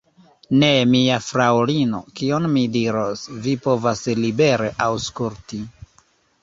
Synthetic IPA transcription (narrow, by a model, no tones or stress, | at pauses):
ne̞miafɾawlino̞̰kionmidiɾosvipo̞vaslibe̞ɾeʔawskuɾti